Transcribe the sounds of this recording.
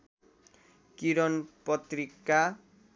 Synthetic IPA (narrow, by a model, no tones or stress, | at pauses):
kiɾonpɔt̪ɾikːa